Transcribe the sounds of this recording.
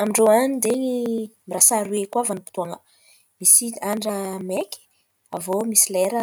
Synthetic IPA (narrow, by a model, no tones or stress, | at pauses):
amiɳɖ͡ʐoanid̪enimirasaɾuwekwavanipi̥t̪uaŋə | misiaɳɖ͡ʐəmekʲi̥ | avomisileɾə